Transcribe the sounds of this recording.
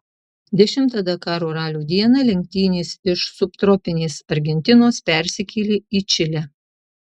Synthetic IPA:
d̪ʲɛʃʲɪmˑt̪ɐd̪ɐkɑːɾuːɾɑːlʲuːd̪ʲiɛnɐlʲɛŋʲk̚t̪ʲiːnʲeːsɪʃsʊpt̪ɾɔpʲɪnʲeːsɐɾʲɡʲɛnʲt̪ʲɪnoːspʲɛˑɾʲsʲɪkʲʰiːlʲeiːt͡ʃʲɪlʲɛ

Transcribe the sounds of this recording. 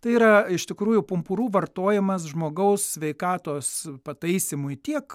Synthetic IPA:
t̪ɐɪiːɾɐɪʃt̪ʲɪkɾuːjʊpʊmpʊɾuːʋɐrt̪oːjɛmɐsʒmoːɡɐʊssʲʋʲɛɪkɑːt̪oːspɐt̪ɐɪsʲɪmʊjt̪ʲiɛk

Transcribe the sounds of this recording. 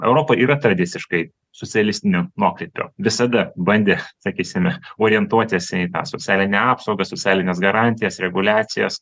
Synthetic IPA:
ɛ̰ʊɾoːpɐʔiːɾɐt̪ɾɐd̪ʲɪt̪sʲɪʃkɐɪ | soːt͡s̪ʲɛɐlʲɪsʲt̪ʲɪnʲonuɔkɾʲɛːpʲo̰ːʋʲɪsɐd̪ɐbɐnʲd̪ʲeːsɐkʲiːsʲɪmʲɛoːɾʲɪjɛnt̪uɔt̪ʲɪsʲiːt̪ɑ̰ːsot͡s̪ʲæːlʲɪnʲɛɑːpsoʊɡɐsoːt͡s̪ʲæːlʲɪnʲeːsɡɐɾɑːnʲt̪ʲɪjɛsɾʲɛɡʊlʲæːt̪sʲɪjo̰ːs

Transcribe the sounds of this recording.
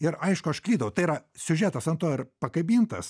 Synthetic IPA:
ɪɾɐɪʃkʊɐʃklʲiːd̪ɐʋɐʊt̪ɐɪiɾɐsʲʊʒʲæːt̪ɐsɐnt̪oːɪɾpɐkɐbʲiːnt̪ɐs

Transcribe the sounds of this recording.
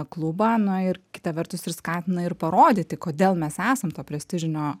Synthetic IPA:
klˠʊbɑːnʊɪɾkʲɪ̥t̪ɐʋʲɛɾt̪ʊsɪɾskɑːt̪ʲɪnɐɪɾpɐɾoːd̪ʲit̪ʲɪkoːd̪ʲeːlˠmʲɛsæːsɐmt̪oːpʲɾʲɛsʲt̪ʲɪʒʲɪnʲoː

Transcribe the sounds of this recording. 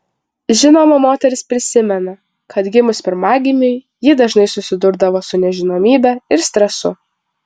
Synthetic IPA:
ʒʲɪnoːmɐmoːt̪ʲɛɾʲɪspʲɾʲɪsʲɪmʲɛnɐ | kʰɐt̪ɡʲɪmʊspʲɛɾmɑːɡʲɪnʲɪɪ | jɪd̪ɐʒnɐɪsʊsʲɪd̪ʊɾd̪ɐʋoːsʊnʲɛʒʲɪnoːmʲiːbʲɛɪɾsʲt̪ʲɾʲɛsʊ

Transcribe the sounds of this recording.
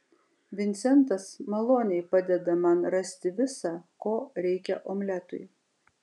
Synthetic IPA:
ʋʲɪnʲt̪sʲɛnt̪ɐsmɐlˠoːnʲɛɪpɑd̪ʲɛd̪ɐmɐnɾɐsʲt̪ʲɪʋʲɪsɑkoːɾʲɛɪkʲɛ̰ʔoːmʲlʲæt̪ʊ̰ɪj

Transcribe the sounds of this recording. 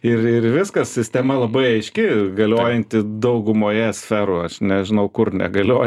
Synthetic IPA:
ɪrɪrʋʲɪskɐssʲɪsʲt̪ʲɛmɐlˠɐbɐɪɐɪʃʲkʲɪɡɐlʲoːjɛnʲt̪ʲɪd̪ɐʊɡʊmoːjɛsʲfʲɛɾoːɐʃnʲɛʒʲɪnɐʊkʊrnʲɛ̰ɡɐlʲoː

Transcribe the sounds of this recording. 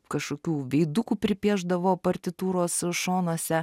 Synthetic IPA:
kɐʃkoːkʲuːʋʲɛɪd̪ukuːpʲɾʲɪpʲiɛʒd̪ɐʋoːpɐɾʲt̪ʲɪt̪uːɾoːsʃoːnoɔsʲɛ

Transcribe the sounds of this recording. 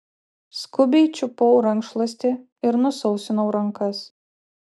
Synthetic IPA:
skʊbʲɛɪt͡ʃʲʊpoʊɾɐŋkʃlˠɐsʲt̪ʲɪ | ɪɾnʊsɔʊsʲɪnoʊɾɐŋkɐs

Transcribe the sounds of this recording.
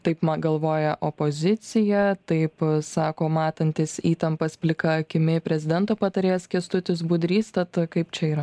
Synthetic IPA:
t̪ɐɪpmɐɡɐlˠʋoːjɛʔopoːzʲɪt̪sʲɪjɛt̪ɐɪpsɑːkoːmɑːt̪ɐnʲt̪ʲɪsiːt̪ɐmpɐspʲlʲɪkɐɐkʲɪmʲɪpʲɾʲɛzʲɪd̪ʲɛnt̪oːpɐt̪ɐɾʲeːskʲiɛst̪ʊt̪ʲɪs̬bʊd̪ʲɾʲiːst̪ɐt̪kɐɪpt͡ʃʲɛiːɾɐ

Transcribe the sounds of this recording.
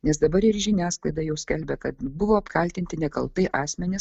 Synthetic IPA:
nʲɛsd̪ɐbɐɾɪɾʒʲɪnʲæːsklˠɐɪd̪ɑjɛʊsʲkʲɛlʲbʲɛkɐt̪bʊʋoːɐpkɐlʲt̪ʲɪnʲt̪ʲɪnʲɛkɐ̰lˠt̪ɐɪʔɑːsʲmʲɛnʲɪs

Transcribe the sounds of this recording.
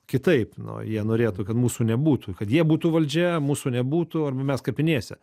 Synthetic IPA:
kʲɪt̪ɐɪpnʊ̰jiɛnoːɾʲeːt̪uːkɐt̪muːsuːnʲɛbuːt̪uːkɐt̪jiɛbuːt̪uːʋɐlʲd͡ʒʲɛmuːsuːnʲɛbuːt̪uɐrbɐmʲɛskɐpʲɪnʲeɛsʲɛ

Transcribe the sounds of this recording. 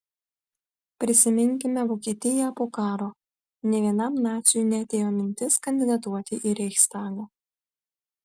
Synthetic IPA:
pʲɾʲɪsʲɪmʲɪŋʲkʲɪmʲɛʋoːkʲiɛt̪ʲɪjɛpoːkɑːɾoː | nʲɛʋʲiɛnɐmnɑːt̪sʲɪjunʲɛɐt̪ʲeːjoːmʲɪnʲt̪ʲɪskɐnʲd̪ʲɪd̪ɐt̪uɔt̪ʲɪʔiɾʲɛxʲst̪ɑːɡo

